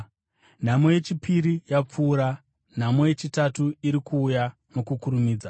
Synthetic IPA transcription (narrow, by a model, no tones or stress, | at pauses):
n̤amo̞je̞t͡ʃipiɾijap͡fuːɾa | n̤amo̞je̞t͡ʃitatuiɾikʰuːja | mukukuɾumiːd͡za